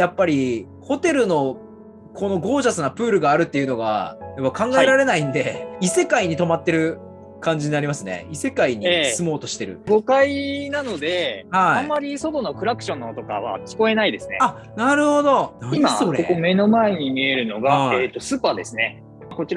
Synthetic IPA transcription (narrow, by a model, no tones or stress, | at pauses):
japːaɾʲi | ho̞t̪e̞ɾɯ̟no̞ | kʰo̞no̞ɡo̞ːʑasɨnapɯ̟ːɾɯ̟ɡaːɾɯ̟t̪ːeiɯ̟no̞ɡa̰japːakãŋɡaeɾaɾe̞naĩnd̪e̞ise̞kaiɲ̟it̪o̞mat̪ːe̞ɾɯ̟ | kãɲ̟d͡ʑiɲinaɾʲimasɨne̞̰ise̞kaiɲ̟iːsɨmo̞ːt̪o̞ɕi̥t̪e̞ɾɯ̟̰ɡo̞kainano̞d̪e̞haiãmːaɾʲiso̞d̪o̞nokɯ̟ɾakɯ̥ɕõ̞nːot̪o̞ka̰βa̰kʲi̥ko̞e̞naid̪e̞sɨnea | naɾɯ̟ho̞d̪o̞aiaɾokome̞no̞mae̞ɲ̟imʲie̞ɾɯ̟no̞ɡaet̪ːo̞sɨːpaːd̪e̞sɨne̞ | ko̞t͡ɕiɾa